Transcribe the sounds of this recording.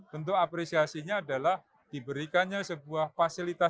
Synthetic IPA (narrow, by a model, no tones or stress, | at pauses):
b̥ənt̪ʊk̚apɾesiasiɲaːdalah | d̥ibəɾikanɲasəbuahfasilit̪a